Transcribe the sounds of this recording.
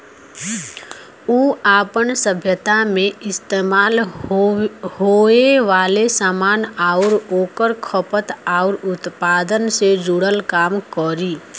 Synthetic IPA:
uːaːpənsəbʱjət̪amẽɪst̪eːmaːl | hoːeʋaːlesaːmaːnaːʊɾoːkəɾkʰəpət̪aːʊɾʊt̪paːd̪ənsed͡ʒuɽəlkaːmkɔɾiː

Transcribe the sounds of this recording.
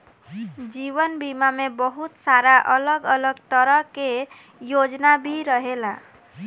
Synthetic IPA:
d͡ʒibənbimamebʌɦut̪saɾaʔʌləɡʌləɡt̪ʌɾʌke | jod͡ʒnabʱiɾʌɦela

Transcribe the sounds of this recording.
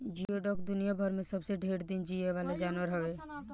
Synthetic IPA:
d͡ʒieɖɔːk̚d̪ʊnijabʱəɾmẽsəbseɖʱeːɽd̪ɪnd͡ʒieʋaːled͡ʒaːnwəɾɦəʋeː

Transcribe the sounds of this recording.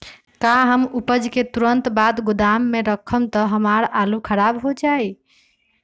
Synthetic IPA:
kaɦəmupəd͡ʒket̪uɾənt̪bad̪ɡud̪amːeɾəkʰːəmt̪ɔɦəmaɾalukʰəɾabɦod͡ʒai

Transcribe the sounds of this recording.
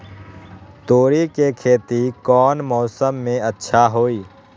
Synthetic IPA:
t̪oːɾikekʰeːt̪ikɔːnmɔːsəmːẽətːʃʰaɦoːiː

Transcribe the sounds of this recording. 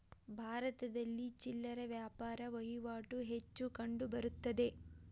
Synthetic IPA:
bʱaːɾɐt̪ɐd̪ɐlːit͡ʃilːɐɾɐʋjaːpaːɾɐʋɐjuʋaːʈuɦe̞t͡ʃːukɐɳɖubɐɾut̪ːɐd̪e̞

